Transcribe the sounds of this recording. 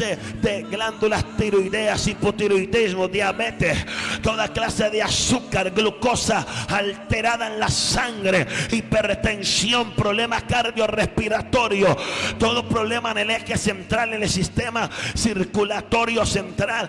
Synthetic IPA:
ed̪eɡland̪ulast̪iɾujðeasipot̪iɾujd̪izmoðjaβet̪est̪o̞ðaklaseðeasukaɾɡluko̞saalt̪e̞ɾaðaenlasaŋɡɾeipeɾt̪e̞nsjompɾoβle̞makaɾðjo̞respiɾat̪o̞ɾjot̪o̞ðopɾoβle̞manelexese̞nt̪ɾalnelsist̪e̞masiɾkulat̪o̞ɾjose̞nt̪ɾal

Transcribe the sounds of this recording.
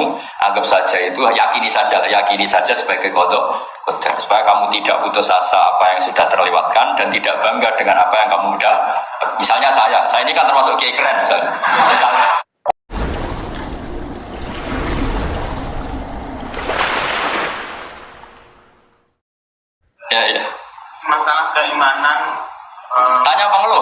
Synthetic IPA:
u | ʔa̰ŋɡəp̚sḁd͡ʒ̥ait̪ujakinisḁd͡ʒ̥alajakinisḁd͡ʒ̥asə̥b̥aɡ̥akɔd̪ɔʔ | ɡ̥od̪̥arsu̥pajakamut̪id̥a̰ʔput̪ʊsasa̰ːpajaŋsud̥aht̪ərliwa̰t̪̚kand̥ant̪id̥aʔb̥aŋɡard̥əŋanapajaŋkamuud̥ahmisalɲasajasajainikant̪ərmasʊʔkəikɾɛnmisalɲamisalɲa | jajamasalahkəimanan | ət̪aɲapəŋəlʊ

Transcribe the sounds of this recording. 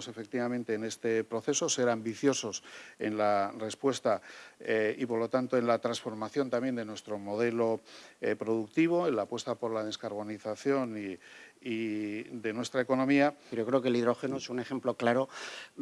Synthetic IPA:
se̞fek̚t̪iβamẽnt̪e̞ːne̞st̪e̞pɾo̞θe̞so̞se̞ɾambiθjo̞so̞se̞̰nlare̞spwe̞st̪aeipo̞ɾlo̞t̪ant̪o̞e̞nlat̪ɾansfo̞ɾmaθjo̞nt̪ambje̞nd̪e̞nwe̞st̪ɾo̞mo̞ð̞e̞lo̞pɾo̞ðuk̚t̪iβ̞o̞enlapwest̪apo̞ɾlaðe̞skaɾβ̞o̞niθaθjo̞niː | ðe̞nwe̞st̪ɾaeko̞no̞miajo̞kɾeokeliðɾo̞xenoesune̞xe̞mploklaɾo

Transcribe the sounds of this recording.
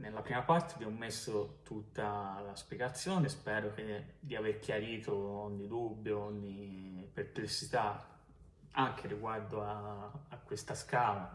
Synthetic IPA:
nelːapɾiːmapart̪ebjɛmomesːot̪ut̪ːalaspjɛɡat̪sːjoːnespɛːɾok̟ed̪iaverk̟ʰjaɾiːt̪ʰoɔɲːid̪ubːjoɔɲːiperplesːit̪a | aŋk̟eriɡward̪oaːkːwest̪askaːla

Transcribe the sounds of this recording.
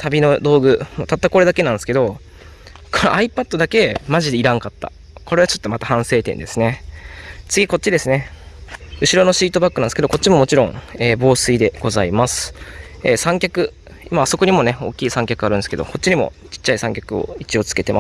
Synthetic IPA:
t̪ʰabʲino̞d̪o̞ːɡɯ̟mot̪at̪ːako̞ɾed̪ake̞nãnd̪sɨ̥ke̞d̪o̞ | kʰonoʔaipat̪ːo̞d̪ake̞maʑid̪e̞iɾãŋkat̪ːa̰ | ko̞ɾe̞βat͡ɕo̞t̪ːo̞mat̪ahãɰ̃se̞ːt̪ẽ̞̰nd̪e̞sɨne̞ | t͡sɨɡʲiko̞t̚t͡ɕːid̪e̞sɨne̞ | ɯ̟ɕiɾo̞no̞ɕiːt̪o̞bakːɯnãnesɨkeoko̞t̚t͡ɕːimo̞mo̞t͡ɕiɾõ̞ŋeːbo̞ːsɨid̪e̞ɡ̥o̞zaimasɨ̥eːsãŋkʲakɯ̟ | imaːso̞ko̞ɲ̟imo̞ne̞o̞̰ːkʲːiːsãŋkʲakɯ̟aɾɯ̟nsɨke̞d̪o̞̰kʰo̞t̚t͡ɕːiɲ̟imo̞̰ | t͡ɕi̥t͡ɕːaisãŋkʲakɯ̟o̰it͡ɕio̞t͡sɨ̥ke̞t̪ema

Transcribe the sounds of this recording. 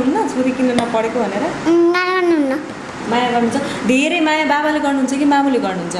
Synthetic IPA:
ɦunːʌt͡sʰoɾikinʌnʌpʌɽekobʱʌneɾʌmajaɡʌrnuɦunːʌ | majaɡʌrnuɦunt͡sʰʌd̪ʱeɾejmajababaleɡʌrnuɦunt͡sʰʌkimamuleɡʌrnuɦunt͡sʰʌ

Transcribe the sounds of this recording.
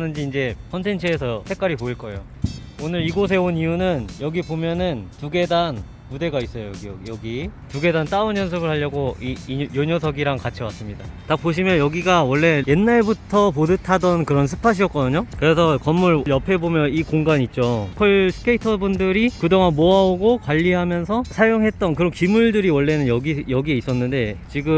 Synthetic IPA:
nɯnd͡ʑiːnd͡ʑe̞kʰʌntʰe̞nt͡ɕʰɯesʰʌsʰe̞k͈aɾipoiɭk͈ʌe̞jo | onɯɾiɡos̬ʰe̞onijunɯnjʌɡibomjʌnɯntuɡe̞dan | mude̞ɡais͈ʌjojɡijjʌɡituɡe̞dant͈aɯnjʌns̬ʰɯbɯɭhaʎːʌɡoijoɲosʰʌɡiɾaŋkat͡ɕʰiwas͈ɯmɲidatak̚p͈oɕ̬ʰimjʌnjʌɡiɡawʌɭːe̞je̞nːaɭbutʰʌpodɯtʰadʌnkɯɾʌnsʰɯ̥pʰaɕ̬ʰiʌt̚k͈ʌdɯɲokɯɾe̞sʰʌkʌmːuɭjʌpʰe̞bomjʌnikoŋɡaɲit̚t͡ɕ͈opʰoɭsʰɯ̥kʰeitʰʌbundɯɾikɯdoŋanmoaoɡokwaʎːiɦamjʌnsʰʌsʰajoŋɦe̞t̚t͈ʌnkɯɾʌnkimuɭdɯɾiwʌɭːe̞nɯnjʌɡijʌɡie̞is͈ʌnːɯnde̞t͡ɕiɡɯm

